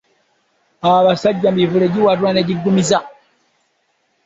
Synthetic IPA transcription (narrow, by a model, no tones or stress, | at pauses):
aβasaɟamivuleɟiwatwaneɟiɡumiza